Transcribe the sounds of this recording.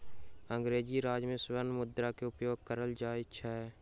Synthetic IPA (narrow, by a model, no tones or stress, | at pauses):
ə̃ŋɡɾeːd͡ʒiɾaːd͡ʒmẽsʊʋənmʊd̪ɾakeʊpjoːɡ̚kəɾəld͡ʒaːɪt͡ʃʰɛ